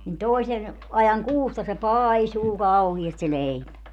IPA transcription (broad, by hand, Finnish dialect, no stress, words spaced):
nin toˑisen ɑjɑŋ kuːstɑ se pɑːisuː kɑuhiɑst se leipæ